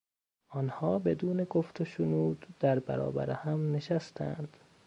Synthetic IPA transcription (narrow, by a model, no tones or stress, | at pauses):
ʔɒːnhɒːbe̞d̪uːneɡoft̪ʰoʃonuːd̪d̪æɾbæɾɒ̰ːbæ̰ɾehæmne̞ʃæst̪ʰæ̰nd̪̥